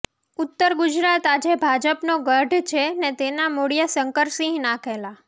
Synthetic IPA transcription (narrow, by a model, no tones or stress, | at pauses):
ʊt̪ːəɾɡud͡ʒɾat̪ad͡ʒebʱad͡ʒəpnoɡəɖʱt͡ʃʰenet̪enamoɽijəsəŋkəɾsĩɦnãkʰela